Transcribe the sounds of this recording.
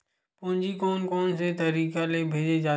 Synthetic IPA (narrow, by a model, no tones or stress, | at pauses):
pʊ̃ɦɲd͡ʒiːkoːnkɔːnset̪əɾiːkalebʱeːd͡ʒed͡ʒaː